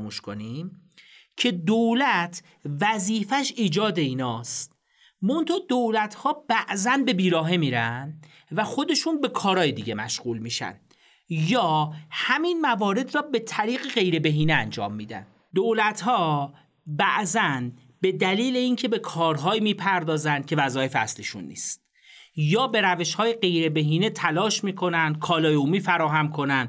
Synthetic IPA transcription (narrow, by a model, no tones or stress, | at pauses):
muʃkonimcʰe̞d̪olæt̪ʰ | væziːfæʃiːd͡ʒɒːd̪e̞iːnɒːst̪ | mont̪ʰɒːd̪olæt̪ʰhɒːb̥æʔzænbe̞biːɾɒːɦe̞miːɾæn | væxo̞d̪e̞ʃunbe̞kʰɒːɾɒːjed̪iːɟe̞mæʃɣuːlmiːʃæ̰n | jɒːhæminmævɒːɾe̞d̪rɒːbe̞t̪ʰæɾiːɣeɢe̞jɾe̞be̞ɦiːneænd͡ʒɒ̰ːmːiːd̪æ̰n | d̪oːlæt̪ʰhɒː | bæʔzæn | be̞d̪æliːle̞iːncʰe̞be̞kʰɒːɾɦɒːimiːpʰæɾd̪ɒːzænd̪̥cʲʰe̞væzɒːje̞feæsliʃṵnːḭːst̪̚ | jɒːbe̞ɾæve̞ʃhɒːjeɢe̞jɾe̞beɦiːnet̪ʰælɒːʃmiːkʰo̞nænd̪̥̚kʰɒːlɒːjeumiːfæɾɒːɦæmkʰo̞nænd̪